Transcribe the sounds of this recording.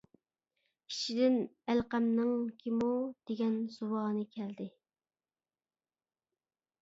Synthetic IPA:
kʲʰi̥ʃid̪ɪnælqæmnɨŋkʲʰimud̪̥eɡʲɛnz̥uwɑːnɨkʲʰɛld̪ɪ

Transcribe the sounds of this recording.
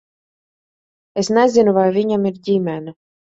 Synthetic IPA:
esnʲæzʲɪnuvajvʲiɲʲamiɾd̪ʲimʲɛna

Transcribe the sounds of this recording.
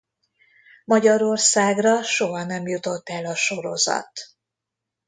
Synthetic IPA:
mɒɟɒɾo̞rsaːɡrɒʃoɦɒnɛmjut̪o̞t̪ːɛlɒʃo̞ɾo̞̰zɒ̰t̪

